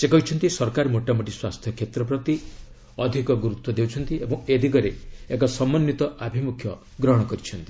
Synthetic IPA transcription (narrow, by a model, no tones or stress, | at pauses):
sekɔɦit͡ʃʰɔnt̪isɔɾkaɾmoʈamuʈiswast̪ʰjɔkʰet̪ɾɔpɾɔt̪i | ɔd̪ʱikɔɡuɾut̪wɔd̪ewt͡ʃʰɔnt̪iebɔŋ̃ed̪ʱikɔɾeekɔsɔmːɔnːit̪ɔʔabʱimukʰjɔ | ɡɾɔɦɔɽ̃ɔkɔɾit͡ʃʰɔnt̪i̥